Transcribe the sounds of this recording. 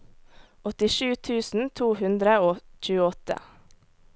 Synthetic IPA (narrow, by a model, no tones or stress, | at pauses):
ʔɔt̪ɪʃʉːt̪ʰʉːsn̩t̪ʰuːhʉnd̪ɾəoːc͡çʉːəɔt̪ə̰